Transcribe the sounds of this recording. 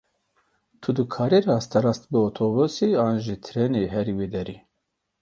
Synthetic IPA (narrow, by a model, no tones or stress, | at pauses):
t̪ʰud̪ɨkʰaːɾerɑːst̪ɐɾast̪bɨot̪ʰobuseãːnʒit̪ʰɾeneɦɛɾiwed̪ɛɾi